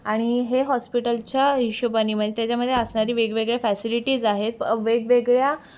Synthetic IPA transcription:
aɽ̃iɦeɦɔspiʈəlt͡ɕjaɦiɕubəniːm̤əet̪jat͡ɕaməd̪ʱːjeəsɳaɾiːʋeɡʋeɡɭjafæsiliʈiːd͡zaɦet̪̚ʋeɡʋeɡɭja

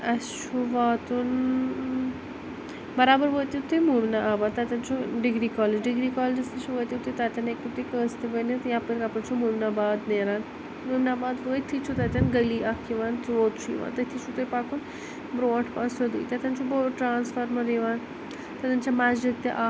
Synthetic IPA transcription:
ɐt͡ʃʰuʋaːt̪un | bɐɾaːbəɾʋoːjt̪it̪ujmumnaʔaːbaːd̪̚t̪at̪ʲɐnt͡ʃʰuɖɪɡɾiːkɔːled͡ʒɖɪɡɾiːkɔːled͡ʒɐst̪it͡ʃʰuʋoːjt̪ʲut̪ut̪at̪ʲɐnekut̪ikəːst̪iʋɐnet̪jãːpəɾkapɐɾt͡ʃʰumumnabaːd̪neːɾaːn | mumnaːbaːd̪ʋoːjt̪ʰit͡ʃʰut̪at̪ʲɐnɡɐliʔakʰːiʋaːnt̪ʋoːt̪t͡ʃʰuḭʋa̰ːnt̪ɐt̪ʰit͡ʃʰut̪ujpaːkun | bɾoːʈʰpaːsod̪ṵːt̪at̪ʲɐnt͡ʃʰuboʈɾaːnsfəɾmɐɾiʋaːn | t̪ɐt̪ɐnt͡ʃʰamaːd͡ʒik̚t̪iʔaː

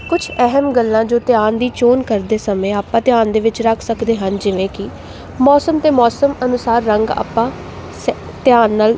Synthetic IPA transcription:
kʊt͡ʃʰɛɦəmɡəlːãːd͡ʒoːt̪ɪjaːnd̪iːt͡ʃoːnkəɾd̪eːsəmẽːaːpːãːt̪ɪjaːnd̪eːʋɪt͡ʃɾəkʰsəkd̪eːɦənd͡ʒɪʋẽːkɪ | mɔːsəmt̪eːmɔːsəmənʊsaːɾːəŋɡa̰ːpãː | s | t̪ɪjaːnːaːl

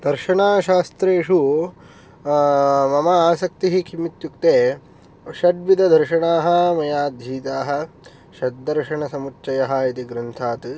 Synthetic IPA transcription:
d̪̥ɐɾʃɐɳaːʃaːst̪ɾeːʂu | mɐmɐaːsɐk̚t̪iɦikʰimit̪jukt̪eː | ʃɐd̪̚ʋid̪ʱɐd̪ʱɐɾʃɐɳaːɦɐ̆mɐjaːd̪ʱɦiːt̪aːɦɐ̆ | ʃɐd̪̚d̪ɐɾʃɐɳɐsɐmutːt͡ʃːɐjɐɦɐit̪iɡɾɐnt̪ʰaːt̪

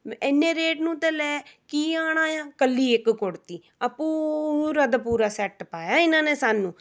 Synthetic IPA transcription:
ɛnːẽːɾeːʈnũːt̪ɛ̃ːlɛːkiːaːɽ̃ãːjãːkəlːiːɪkkʊɽt̪iː | əpũːɾəd̪puːɾaːsɛʈpaːjaːɪnãːneːsaːnũː

